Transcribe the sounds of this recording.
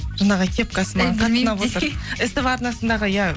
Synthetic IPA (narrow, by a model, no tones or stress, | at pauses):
ʒ̥ɑnɑʁəkʲʰe̞p̚kʰɑsəmɑɴqʰɑt̪ːənɑpwot̪əɾɪst̪ɪpɑɾnɑsənd̪ɑʁəja